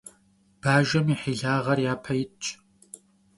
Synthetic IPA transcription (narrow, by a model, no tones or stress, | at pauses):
b̥aːʒɐmiħiːɮaːʁɐrjaːpʰɐjɪt͡ʃʼ